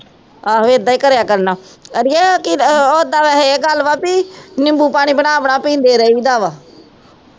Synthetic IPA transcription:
aːʋeːd̪ːaːiːkəɾjaːkəɾnaːəɾiɛkɪoːd̪aːʋɛːɦeeɡəlʋaːpiːnɪmbuːpaːɽ̃iːbənaːəpɳaːpĩːnd̪eːɾəiːd̪aːʋaː

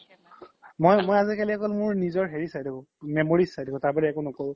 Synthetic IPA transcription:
mojmojazikaliɔkɔlmʊɹnizɔɹɦeɹisajdikʰɔ̃ | memoɹisajdikɔ̃taɹbadɛɛkʊnɔkoɹʊ̃

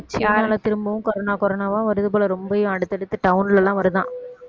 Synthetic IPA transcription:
t͡ʃːɪaːlɐt̪ɪɾɯmbɐʋɯ̃kɔɾɐnaːkɔɾɐnaːʋãːʋɐɾɯðɯp̬oːlɐɾɔmbɐjʊ̃ɐɽɯt̪ːɛɽɯt̪ːɯʈɐʊnɪlɛlːãːʋɐɾɯðã̰ː

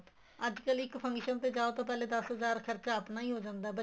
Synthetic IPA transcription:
əd͡ʒkəlɪkpʰə̃ŋɡʃənt̪eːd͡ʒaːot̪õːp̬ɛːleːd̪əsɦəzaːɾkʰəɾt͡ʃaːəpnaːiːɦoːd͡ʒãːnd̪aːbə

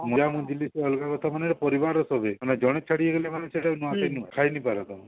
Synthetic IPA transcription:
mɔjamũd͡ʒiliseɔlɔkakɔt̪ʰamaneɾɔpɔɾibaɾɔsɔbemaned͡ʒɔɽ̃et͡ʃʰaɽieɡelemanesʰeʈanuasejnuakʰajnipaɾɔt̪ɔmũ

